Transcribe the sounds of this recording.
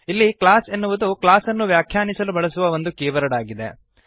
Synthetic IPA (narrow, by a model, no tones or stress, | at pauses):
ilːiklaːsenːuʋud̪uklaːsɐnːuʋjaːkʰjaːnisɐlubɐɭɐsuʋɐo̞nd̪ukeːʋɐɾɐɽaːɡid̪e̞̰